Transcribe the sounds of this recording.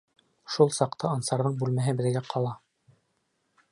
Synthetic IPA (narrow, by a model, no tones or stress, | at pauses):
ʃulˠsɑqt̪ɑɑnsɑɾðɤɴbʉlmæɦɘbɘ̆ðɡæqʰɑlˠɑ